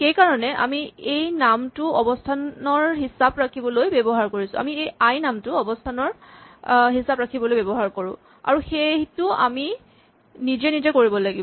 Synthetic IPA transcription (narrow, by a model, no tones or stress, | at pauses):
xejkaɹɔnɛʔa̰miejnamtʊɔbɔstʰanɔɹɦisabɹakʰibɔlojbebɔɦaɹkoɹisʊ̰̃a̰miejajnamtʊɔbɔstʰanɔɹ | ɦisabɹakʰibɔlojbɛbɔɦaɹkoɹʊ̰̃ | a̰ɹuxetʊa̰mi | nizɛnizɛkoɹibɔlaɡibɔ